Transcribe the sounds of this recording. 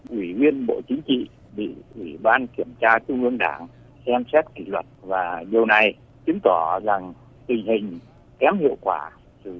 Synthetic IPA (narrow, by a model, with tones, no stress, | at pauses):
ʔwi˧˩vi˧ənɓo̰˧˨t͡ɕï˨˦ŋ̟t͡ɕḭ˧˨ | ɓḭ˧˨ʔwi˧˩ɓaː˧nki˧˩əmt͡ɕaː˧t͡ɕʊ˧ŋ͡mʔɨ˧əŋɗaː˧˩ŋ | sɛ˧msɛ˦˥t̚kḭ˧˩lwə˨˩t̚vaː˨˩ɗi˨˩əwna˨˩j | t͡ɕɨ˨˦ŋt̪ɔ˧˩za˨˩ŋ | t̪ï˨˩ŋ̟hï˨˩ŋ̟ | kɛ˨˦mhḭ˧˨əwkwaː˧˩ | sɨ̰˧˨